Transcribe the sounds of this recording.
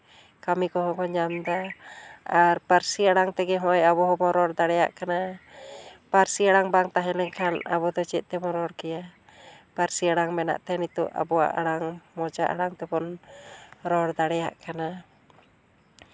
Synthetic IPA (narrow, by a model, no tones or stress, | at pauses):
kamikɔɦɔkɔɲamd̪a | aɾpaɾsiaɽaŋt̪ɛɡɛɦɔɔjabɔɦɔbɔɾɔɽd̪aɽɛja̰ʔkana | paɾsiaɽaŋbaŋt̪aɦɛlɛŋkʰana̰βɔd̪ɔt͡ʃɛt̪̚ˀt̪ɛbɔɾɔɽkɛjapaɾsiaɽaŋmɛna̰ʔt̪ɛnit̪uʔa̰bɔwa̰ʔaɽaŋmɔd͡ʒaʔa̰ɽaŋt̪ɛbɔn | ɾɔɽd̪aɽɛja̰ʔkana